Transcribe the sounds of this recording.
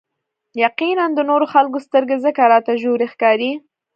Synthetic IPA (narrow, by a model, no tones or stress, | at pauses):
jaqinand̪ənoɾoxalkost̪əɾɡezəkaɾɑt̪aʒoɾexkɑɾi